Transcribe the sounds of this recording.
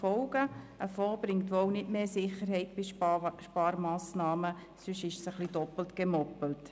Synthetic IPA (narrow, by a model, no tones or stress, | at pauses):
ɔlɡ̥əʔəfɔːbɾɪŋtʋownɪdmeːsɪχəɾhɛɪtbɪʃʃpɑːɾmɑːsnɑːmə | sʏʃɪʃsəχlidɔpl̩tɡ̥emɔpəl̩t